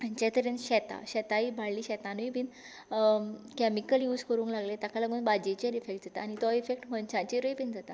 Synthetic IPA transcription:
ãnt͡ɕat̪əɾenɕɛt̪a̰ɕɛt̪aibʱaɽliːɕɛt̪ãnuipin | kɛmikəljuːd͡zkəɾũːŋklaɡlet̪akalaɡuːnbad͡ʑet͡ɕeɾifek̚ʈ̚d͡zat̪aːñit̪ɔifek̚ʈməɳt͡ɕãt͡ɕiɾoipind͡zat̪a

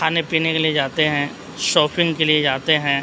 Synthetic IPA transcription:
aːnepiːnekelied͡ʒaːt̪eɦɛ̃ː | ʃɔːpʰɪ̃ŋɡkelied͡ʒaːt̪eɦɛ̃

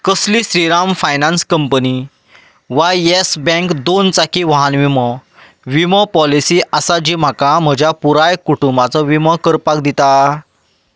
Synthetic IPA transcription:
kəsliɕɾiɾamfajnãnskəmpəni | ʋajesbɛ̃kd̪ont͡sakʰiʋaɦanʋimɔ | ʋiməpɔlisiːʔasad͡ʑim̤akam̤əd͡ʑʱjapuɾajkuʈumbat͡sɔʋiməkəɾpakd̪it̪a

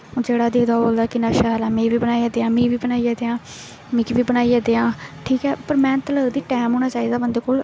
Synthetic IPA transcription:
d͡ʒeːɽaːd̪ɪkd̪aːboːld̪aːkɪnaːʃaːɦlaːmẽːʋiːbənaːiɛːd̪eːãːmĩːʋiːbənaːiːjɛd̪eːãː | mɪkiʋiːbənaːiːɛːd̪eːãːʈʰiːkɛːpəɾmɛ̃ːnt̪ləɡd̪iːʈɛːmɦoːɽ̃aːt͡ʃaːiːd̪aːbənd̪eːkoːl

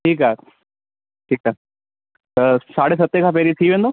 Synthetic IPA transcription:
ʈʰiːkaː | ʈʰiːkaː | t̪əsaːɽes̬ɐt̪ːekʰap̬eːɾit̪ʰiːʋẽːnd̪oː

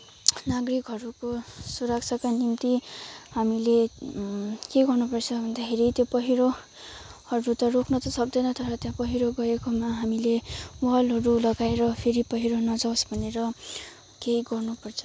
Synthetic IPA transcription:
naɡrikɦʌɾukosuɾak̚t͡sʰakanimt̪ihamile | keɡʌrnupʌrt͡sʰʌbʱʌnd̪akʰeɾit̪jopʌɦiɾo | hʌɾut̪ʌrokʰnʌt̪ʌsʌk̚d̪ʌjnʌt̪ʌɾʌt̪jãpʌɦiɾoɡʌekomaɦamileuɦʌlɦʌɾulʌɡaeɾʌpʰeɾipʌɦiɾonʌd͡zʌwsbʱʌneɾʌ | kejɡʌrnupʌrt͡sʰʌ̥

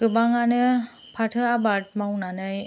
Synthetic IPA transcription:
kɯbaŋanɯ | pʰatʰɯabat̚mawnanaj

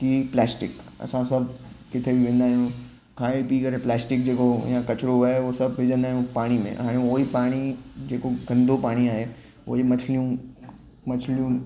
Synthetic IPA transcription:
kiplɛːsʈɪkɐ̰sãsɐbʱkɪt̪ʰebʱiʋẽːn̆d̪aːɦijũ | kʰãːipiːkɐɾeplɛːsʈɪk̚d͡ʑeːkojãkɐt͡ʃɾoɦaeʋosɐbʱbɪd͡ʒə̃nd̪aːɦijũpaːɽ̃imḛ̃ɦaːɽ̃eoːipaːɽ̃id͡ʑeːkoɡɐ̃nd̪ʱopaːɽ̃iaːɦe | o̰ːimɐt͡ʃʰlijũ | mɐt͡ʃʰlijũ

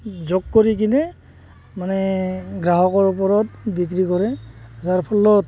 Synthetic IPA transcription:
zɔkːɔɹik̬inɛ | manɛɡɹaɦɔkɔɹupɔɹɔt̚bik̬ɾikɔɾɛzaɹpʰɔlːɔ

